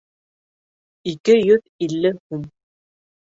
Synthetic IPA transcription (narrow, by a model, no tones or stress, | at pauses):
ikɘjɵð | ilːɘhum